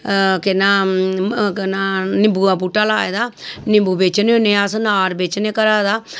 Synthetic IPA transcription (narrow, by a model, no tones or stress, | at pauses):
kɪnãː | knaːnɪbuːaːpuːʈaːlaːed̪aːnɪbuːbeːt͡ʃneonẽːasnaːɾbeːt͡ʃneːkəɾaːd̪aː